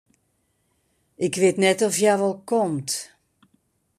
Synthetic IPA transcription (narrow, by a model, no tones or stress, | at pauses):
ɪkʋɪtnɛtɔfjaʋɔlˠkʰɔmt